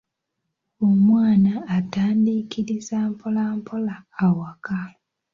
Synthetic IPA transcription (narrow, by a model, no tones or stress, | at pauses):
omwaːnaːtaːndikʰiɾizampʰolaːmpʰolaːwaka